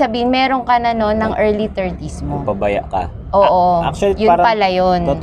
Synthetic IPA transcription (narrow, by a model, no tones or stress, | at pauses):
sɐbiːhɪnmɛːɾoŋkɐnɐno̞nːɐŋʔɛɹlit̪ɛɹt̪ismobabɐja̰ʔkɐ̰ | ʔoːʔoat͡ʃɐljʊpɐlɐjon